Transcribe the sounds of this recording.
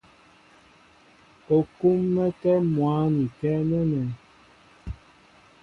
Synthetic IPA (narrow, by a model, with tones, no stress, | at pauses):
o˨ku˦mːɛ˦kɛ˦mwa˨˦ni˨kɛ˦nɛ˦nɛ˨